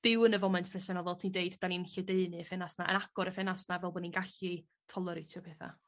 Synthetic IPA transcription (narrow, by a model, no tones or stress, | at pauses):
b̥ɪwənəvɔmɛntʰpʰrɛsɛnɔlˠvɛlˠtʰindeɨdd̥aninɬɛdeɨnɨəfɛnasnaʔə̰naɡ̥ɔɾəfɛnasnavɛlˠbɔdninɡaɬi | tʰɔlˠəɾɨtʰjɔpʰɛθa̰